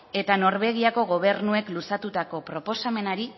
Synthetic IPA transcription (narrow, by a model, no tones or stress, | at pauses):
e̞t̪ano̞ɾβe̞ɣ̞iako̞ɣ̞o̞β̞e̞ɾnue̞klusat̪ut̪ako̞pɾo̞po̞same̞naɾi